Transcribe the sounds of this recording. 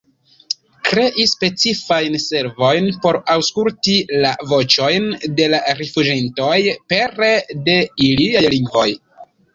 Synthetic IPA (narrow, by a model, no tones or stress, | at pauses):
kɾe̞ʔispe̞t͡sifajnse̞ɾvo̞jnpo̞ɾawskultilavo̞t͡ʃo̞jnde̞laɾifud͡ʒento̞jpe̞ɾe̞de̞iliajliŋɡvo̞j